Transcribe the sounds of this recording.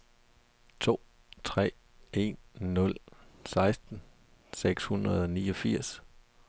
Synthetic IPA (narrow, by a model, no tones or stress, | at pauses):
t͡sʰo̝̰ː | t͡sʰʁɛ̰ː | e̝nːɔ̽lsɑ̈ɪsd̥n̩ | seɡ̥shunʁɐð̞̩ˠɒ̽niːɒ̽fiɐ̰s